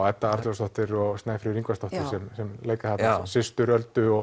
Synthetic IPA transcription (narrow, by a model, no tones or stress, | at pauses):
at̪ːaaɾt̪last̪ɔht̪ɪɾɔɣst̪naːjfɾɪɾiŋkvast̪ɔht̪ɪɾ̥sɛmsɛmleːjkaθat̪nasɪst̪ʏɾœlt̪ʏɔɣ